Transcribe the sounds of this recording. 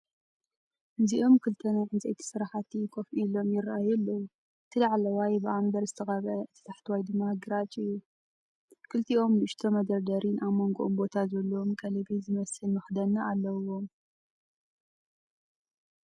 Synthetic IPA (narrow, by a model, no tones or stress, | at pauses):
nziʔo̞mkʰɨlt̪ʰɐnajʕɨnt͡sʼɐ̰jt̪ʰi̥sɨɾaħat̪ʰikʰofʔilo̞mjɪrːaʔajɛlːɐwu | ɨt̪ʰɨlaʕlɐwajbɨʔambɐɾzɨt̪ʰɐxɐβʔɐɨt̪ʰɐ̥t̪ʰaħt̪ʰwajd̪ɨmːaɡɨɾat͡ʃʼɨjːu | kʰɨlt̪ʰiʔo̞mlɨɨʃt̪ʰomɐd̪ɐɾd̪ɐɾinʔaβmo̞ŋɡoʔombo̞t̪ʰazɐlːomkʰʼɐlɐbizɨmɐsɨlmɨxd̪ɐnɐalːɐwo̞m